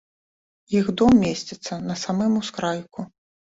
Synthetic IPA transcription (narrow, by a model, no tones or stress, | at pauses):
jixd̪ɔmːʲesʲt͡sʲɛt̪sːɐnɐsamɛmuskɾajku